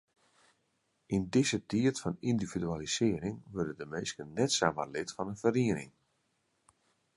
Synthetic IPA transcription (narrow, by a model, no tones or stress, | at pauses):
indɪzətiətfɔnindividyalisɪəɾɪŋʋørdədəmeːskənnɛtsama̰lɪtfɔnənfəriənɪ̰ŋ